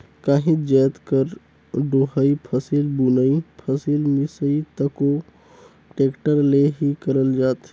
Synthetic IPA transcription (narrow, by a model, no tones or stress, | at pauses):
kaɦĩd͡ʒɛːt̪kəɾ | ɖoːɦəipʰəsilbunəipʰəsilmɪsəit̪əko | ʈeːkʈəɾleɦikəɾəld͡ʒaːt̪